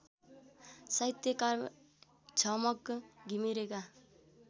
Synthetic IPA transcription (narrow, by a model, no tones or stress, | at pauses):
sajt̪jʌka | d͡zʱʌmʌkɡʱimiɾeka